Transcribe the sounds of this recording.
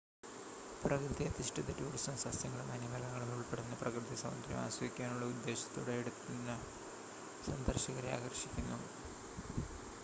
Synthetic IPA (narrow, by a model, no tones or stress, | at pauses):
prɐkrɨðiɐd̪iʂʈʰɐt̪ːɐtuːɽisɐmsɐst̪jɐŋːɐɭumɐnimɐlɐŋːɐɭumuɭpeɽunːɐprɐkrɨðisɐmɐ̰nd̪ɾjɐ̰ma̰ːɕwɐʋikʲːaːnuɭːɐud̪ːe̞ːɕɐ̥t̪ːo̰ːɽeːɽut̪ːunːɐ | sɐnd̪ɐrɕɐɣɐɾia̰ːɡɐrɕikʲːunːu